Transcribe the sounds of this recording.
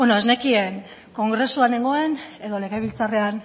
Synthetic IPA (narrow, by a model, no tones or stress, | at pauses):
bonoezne̞kieŋ | ko̞ŋɡɾe̞suane̞ŋɡo̞e̞ne̞ðo̞leɣejβ̞ilt͡sare̞an